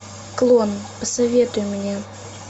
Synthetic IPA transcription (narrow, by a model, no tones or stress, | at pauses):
klˠonpəsɐvʲet̪ʊjʊmʲnʲe